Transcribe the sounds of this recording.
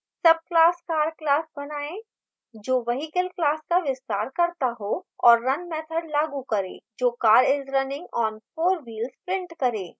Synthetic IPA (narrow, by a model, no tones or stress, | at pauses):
sɐb̚klaːskaːɾklaːsbɐnaːẽ | d͡ʒoːʋɐɦikəlklaːskaʋɪst̪aːɾkɐɾt̪aɦoɔːɾːɐnmɛːt̪ʰəɽlaːɡukɐɾḛːd͡ʒoːkaːɾɪzɾɐnɪ̃ŋɡɔːnfoːɾʋiːlzpɾɪ̃ɳʈkɐɾẽː